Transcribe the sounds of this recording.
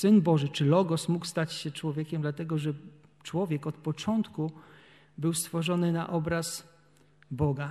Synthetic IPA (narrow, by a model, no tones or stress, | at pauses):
sɘnbɔʐɘt͡ʂɘlɔɡɔsmukst̪at͡ɕɕɛt͡ʂwɔvʲjɛkʲɛmd̪lat̪ɛɡɔʐɛ | t͡ʂwɔvʲjɛkɔt̪pɔt͡ʂɔnt̪ku | bɘwst̪fɔʐɔnɘna̰ʔɔbɾas | bɔɡa